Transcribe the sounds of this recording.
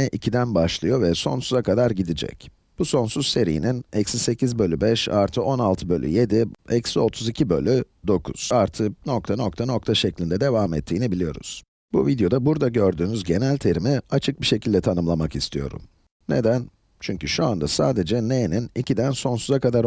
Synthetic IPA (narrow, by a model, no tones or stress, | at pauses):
ɛʔicʰid̪ænbaʃlˠɯjo̞vɛso̞̰nsuzakad̪aɾɟid̪id͡ʒɛ̰c | b̥uso̞nsuzse̞ɾḭjḭninɛcsise̞cʰizbø̞lʲybɛʃa̰ɾt̪ʰɯʔo̞nalˠt̪ʰɯbø̞lʲʔy̰je̞d̪iɛcso̞t̪ʰuzicʰibø̞̰lʲy | d̪o̞kʰṵz̥aɾt̪ʰɯno̞k̚t̪ʰano̞k̚t̪ʰano̞kt̪ʰaʃɛclʲind̪ɛd̪e̞vaːmɛ̰t̪ʰːiːnibilʲijo̞ɾṵz̥ | buvid̪jo̞d̪abuɾd̪aɟø̞ɾd̪yːnyzɟe̞nælʲt̪ʰe̞ɾimiat͡ʃʰɯk̚biʃe̞cʰilʲd̪ɛt̪ʰanɯmlˠamakist̪ʰijo̞̰ɾṵm | nḛd̪æn | t͡ʃʰyɲcyʃuand̪asaːd̪e̞d͡ʒɛneninicid̪ænso̞nsuzakad̪aɾ